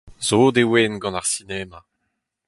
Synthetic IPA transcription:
zoːd̪ewenɡɑ̃naʁsinɛːma

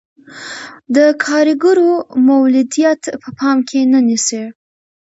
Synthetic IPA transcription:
d̪əkʰɑɾɪɡəɾomawlɪd̪ijat̪pəpʰɑmkʰenənise

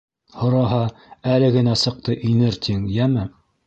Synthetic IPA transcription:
hŏɾɑɦɑælɘɡɘ̆næsɤ̆q̚t̪ɤʔinɘɾt̪ʰiŋjæmɘ

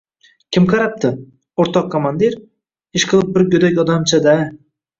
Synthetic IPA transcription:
kʲɪmqʰɑɾɑp̚t̪ʰɨ | oɾt̪ɑqʰːomand̪iɾ | ɪʃqʰəlˠɯp̚bɪɾɡʲɵd̪ekʲɒd̪ɑmt͡ʃʰad̪æ

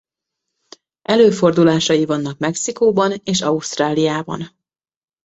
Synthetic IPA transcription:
ʔɛløːfo̞rd̪ulaːʃɒjivɒnːɒkmɛksikoːbɒneːʃɒuʃt̪raːlijaːbɒ̰n

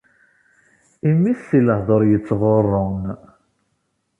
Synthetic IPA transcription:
imːiθːiləhðˤoɾjət͡sːʁorˤːon

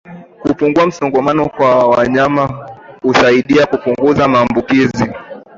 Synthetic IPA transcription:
kupuŋɡuam̩sɔŋɡɔmanɔkwawaɲamahusaiɗiakupuŋɡuzamaːmbukizi

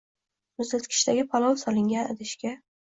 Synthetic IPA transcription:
mʊzat̪kʲʰɪ̥ʃt̪aɡʲɪpʰɒlˠɒwsɒlɪŋɡʲanɪd̪ɪʃkʲa

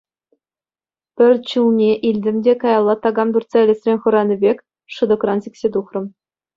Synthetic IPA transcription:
pʲɘ̆rʲt͡ɕulˠnʲeʔilʲdʲɘ̆mdʲekɑjɑlˠːɑt̪ɑɡɑmd̪urt͡sɑlʲist̪rʲenʲχɤ̆ɾɑnʲɘ̆bʲekʲ | ʂɤ̆d̪ɤ̆krɑnsʲekʲsʲet̪uχrɤ̆m

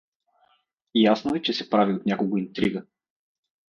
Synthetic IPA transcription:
jasnoɛt͡ʃɛsɛpɾaviot̪nʲakolˠɡʊint̪ɾiɡə

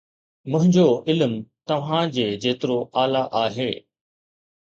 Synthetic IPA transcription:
mɐ̃ɦɪ̃ɲd͡ʑoʔɪlmt̪ɐʋ̤ãd͡ʑeːd͡ʑeːt̪ɪɾoʔaːlaʔaːɦeː

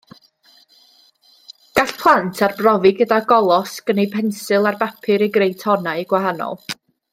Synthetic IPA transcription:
ɡ̥aɬpʰlˠantʰarbrɔvɪɡədaɡɔlˠɔsɡ̥ənejpʰɛnsɨlˠarbapʰɨɾiɡrejtʰhɔnaiɡwahanɔ̰lˠ

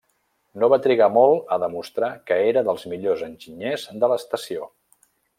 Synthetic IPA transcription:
noβat̪ɾiɣ̞amɔlˠəðəmust̪ɾakəeɾəðəlˠzmiʎozənʲʒiɲezd̪ələst̪əsio

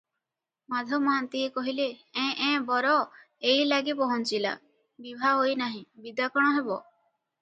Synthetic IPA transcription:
mad̪ʱɔmɔant̪iekɔɦileɛ̃ʔɛ̃bɔɾɔ | ejlaɡepɔɦɔnt͡ʃila̰ | bibʱaɦojnaɦĩbid̪akɔɽ̃ɔɦebɔ

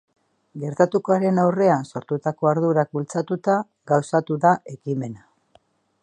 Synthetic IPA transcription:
ɡe̞ɾt̪at̪uko̞aɾe̞nawre̞anso̞ɾt̪ut̪ako̞aɾðuɾak̚bult͡sat̪ut̪a | ɡawsat̪uðaʔe̞kime̞na

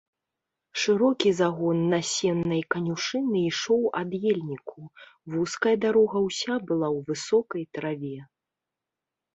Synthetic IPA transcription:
ʂɨɾɔkʲizaɣɔnːɐsʲɛnːɐjkɐnʲuʂɨnɨiʂɔwad̪jɛlʲnʲikʰuvuskɐjɐd̪aɾɔɣɐwsʲabɨlˠawvɨsɔkɐjt̪ɾavʲɛ

